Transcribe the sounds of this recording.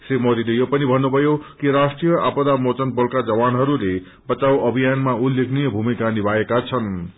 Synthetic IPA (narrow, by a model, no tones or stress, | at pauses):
srimod̪ilejopʌnibʱʌnːubʱʌjokiɾasʈrijʌʔapʌd̪amot͡sʌnbʌlkad͡zʌwanɦʌɾule | bʌt͡sawʌbʱijanmaulːekʰnijʌbʱumikanibʱaekat͡sʰʌn